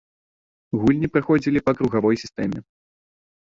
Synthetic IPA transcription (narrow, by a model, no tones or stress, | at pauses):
ɣulʲnʲipɾɨxɔd͡zʲilʲipɐkɾuɣavɔjsʲi̥st̪ɛmʲɛ